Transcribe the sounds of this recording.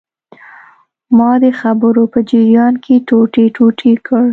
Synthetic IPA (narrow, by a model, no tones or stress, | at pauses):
mɑd̪əxabəɾopəd͡ʒiɾjɑnkʰeʈoʈeʈʰoʈʰikʰəɽ